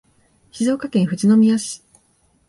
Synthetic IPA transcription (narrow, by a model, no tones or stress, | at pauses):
çizo̞ːkakẽɰ̃ɸɯ̟t͡ɕino̞mʲijaɕi̥